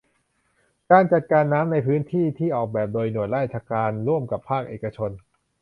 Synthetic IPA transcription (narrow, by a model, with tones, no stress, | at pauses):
kaː˧nt͡ɕa˨˩t̪̚kaː˧nːaː˦˥mna˧jpʰɯː˦˥nt̪ʰiː˥˩t̪ʰiː˥˩ʔɔː˨˩k̚bɛː˨˩p̚doː˧jnu˨˩ət̪̚laː˥˩t͡ɕʰaː˧kaː˧nɾu˥˩əmka˨˩pʰːaː˥˩k̚ʔeː˨˩ka˧t͡ɕʰo˧n